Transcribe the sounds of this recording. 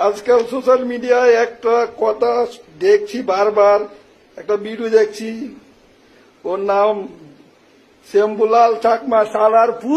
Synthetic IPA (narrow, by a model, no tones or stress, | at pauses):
əd͡ʒkəlsosəlmiɖijaek̚ʈakɔt̪ad̪ek̚t͡ʃʰibaɾbaɾ | ek̚ʈabiɽud̪ek̚t͡ʃʰi | onam | sembulalsakmãsalaɾpʰu